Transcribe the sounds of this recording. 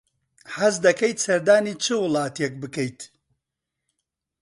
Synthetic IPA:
hɐzd̪ɐkejt̪sɐɾd̪aːniːt͡ʃʰɨwɨlˠɑːt̪jek̚bɨkɛjt̪

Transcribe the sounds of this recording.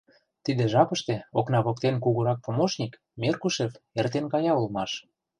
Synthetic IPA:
t̪id̪ĕʒɑpə̆ʃt̪ĕoknɑβokt̪enk̬uɣuɾɑk̚pomoʃnʲik | mʲerkuʃefert̪enkɑjɑulmɑʃ

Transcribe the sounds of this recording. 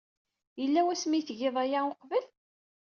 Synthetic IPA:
jəlːæwæsmiθʝɪðˤæjaoqvəl

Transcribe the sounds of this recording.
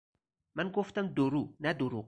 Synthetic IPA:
manɡoft̪ɐnd̪oɾunad̪oɾu

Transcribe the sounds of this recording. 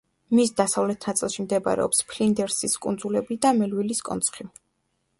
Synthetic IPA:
misd̪asavlɛt̪ʰnat̪sʼilˠʃimd̪ɛba̰ɾɛ̰ɔpspʰlind̪ɛɾsiskʼund̪zulɛbid̪amɛlwiliskʼɔ̰nsʰχi

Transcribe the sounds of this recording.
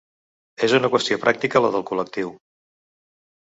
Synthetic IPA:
ezunəkwəst̪iopɾak̚t̪ikələðəlˠkulək̚t̪iw

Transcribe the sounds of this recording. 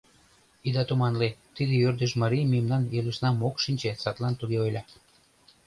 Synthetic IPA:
id̪ɑt̪umɑnlet̪id̪ejørd̪əʒmɑɾijmijəmnɑnelusnɑmokʃinʲt͡ɕet͡sɑt̪lɑnt̪uɣeojlʲɑ

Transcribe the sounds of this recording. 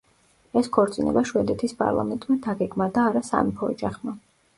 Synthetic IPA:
ɛskʰɔɾt̪sʼinɛ̰baʃwɛd̪ɛt̪ʰispʼa̰ɾlˠa̰mɛnt̪ʼmad̪aɡɛɡmad̪aːɾasa̰mipʰɔːd͡ʒaχma

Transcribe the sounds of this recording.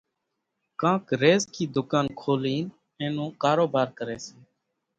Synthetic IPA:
kãːkɾeːzkiːd̪ʊkaːnkʰoːliːn | ẽːnũːkaːɾoːbaːɾkəɾeːsẽː

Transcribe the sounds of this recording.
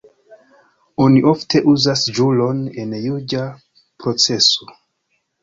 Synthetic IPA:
o̞niʔo̞ftʰe̞ʔuzasd͡ʒulo̞ne̞njud͡ʒa | pɾo̞t͡se̞so̞

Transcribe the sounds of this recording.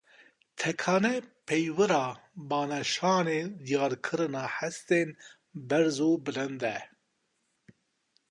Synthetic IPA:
t̪ʰɛkʰɑːnɛpʰɛjwɨɾɑːbɑːnɛʃɑːneːd̪ijɑːɾkʰɨɾɨnɑːħɛst̪eːn | bɛɾzoːbɨlɨnd̪ɛ

